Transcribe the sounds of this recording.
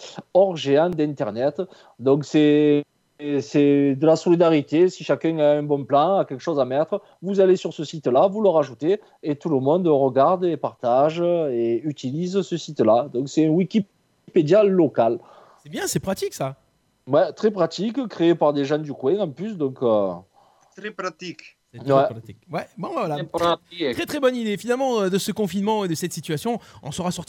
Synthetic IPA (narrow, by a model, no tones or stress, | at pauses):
ɔʁʒeɑ̃d̪ɛ̃nt̪ɛʁnɛt̪ | d̪ɔ̃ŋksɛ | sɛd̪əlasɔlid̪aʁit̪esiʃakɛ̃aɛ̃bɔ̃plɑ̃akʲɛlkə̥ʃɔzamɛt̪χə | vuzalesyʁsəsit̪lavuləʁaʒut̪eː | t̪uləmɔ̃nd̪əʁəɡaʁd̪epaʁt̪aʒəeyt̪ilizsəsit̪lad̪ɔ̃ŋksɛɛ̃wikʲi | ped̪jalɔkal | sɛbjɛ̃sɛpχat̪iksa | wɛt̪χɛpχat̪ikkχeepaʁd̪eʒɑ̃nd̪ykwɛ̃ɑ̃plys̬d̪ɔ̃kø | t̪ɛpat̪ik | wɛikwɛbɔ̃vɛvwalaaχɛt̪χɛbɔnid̪efinalmɑ̃ød̪əsəkɔ̃finmɑ̃ed̪əsɛt̪sit̪yasjɔ̃ɔ̰̃səʁasɔʁt̪